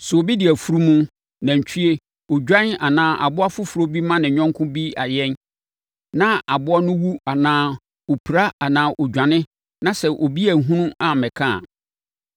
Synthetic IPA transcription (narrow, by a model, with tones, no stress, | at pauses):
sʊ˨o˨bi˦dɪ˨æ˨fu˦ɾu˦mũ˦ | nã˨ɲ˨t͡ɕʰᶣi˦e˦ | o˨d͡ʑᶣã˦na˨nãː˦ʔa̰˨bʊ˦a˦fʊ˦fu˨ɾo˦bi˦mã˦nɪ̃˨ɲᶣɔ̃˦ŋkʰʊ̃˦bi˦a˨jɛ˦n | nã˦a˨bʊ˦ɔ˦nʊ̃˦wu˦a˨nãː˦ | o˨pʰi˨ɾa˦a˨nãː˨˦ʔɔ˨d͡ʑᶣã˨nɪ̃˦ | nã˦sɛ˨ʔo˨bi˦æ˨ɦũ˦nũ˦a˨mɛ̃˨kʰã̰˦˨